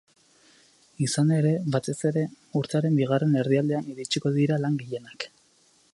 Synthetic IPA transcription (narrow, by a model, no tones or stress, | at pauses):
isane̞ɾe̞βat̪e̞se̞ɾe̞ | uɾt̪eaɾe̞mbiɣ̞are̞ne̞ɾðiald̪e̞aniɾit͡ʃiko̞ðiɾalaŋɡiʎe̞nak